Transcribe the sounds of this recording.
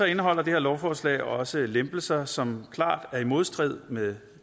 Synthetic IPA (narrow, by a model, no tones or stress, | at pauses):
ɒ̽e̝nəɦɒ̽l̰ɐd̥e̝he̝ɐ̰lɒʊfɒːslɛ̰ːɪɒ̽səlemb̥l̩sɐsɒ̽mkʰlɑ̰̈ːd̥æɐimo̝ð̞ˠsd̥ʁið̞̰ˠmeð